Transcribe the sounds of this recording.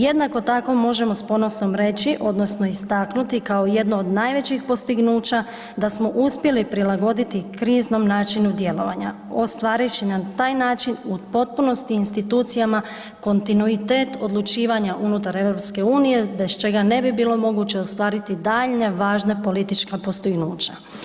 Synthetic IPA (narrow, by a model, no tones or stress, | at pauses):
je̞d̪nako̞t̪ako̞mo̞ʒe̞mo̞spo̞no̞sno̞mɾe̞t͡ɕiʔo̞d̪no̞sno̞ist̪aknut̪ikaoje̞d̪noːd̪naːjʋe̞t͡ɕixpo̞st̪iɡnuːt͡ɕa | d̪asmo̞ʔuspje̞lipɾilaɡo̞d̪it̪ikɾiːzno̞mnaːt͡ʃinud̪je̞lo̞ʋa̰ɲa̰ | o̞st̪ʋaːɾijut͡ɕinat̪aːjnaːt͡ʃinupo̞t̪̚puno̞st̪iinst̪it̪uːt̪sijama | ko̞nt̪inuit̪e̞ːt̪o̞d̪lˠut͡ʃiːʋaɲaʔunut̪aɾe̞vɾo̞pske̞uːnije̞be̞st͡ʃe̞ɡane̞bibiːlo̞mo̞ɡut͡ɕe̞ost̪ʋaːɾit̪id̪aʎne̞ʋaːʒne̞po̞lit̪it͡ʃkapo̞st̪iɡnuːt͡ʃa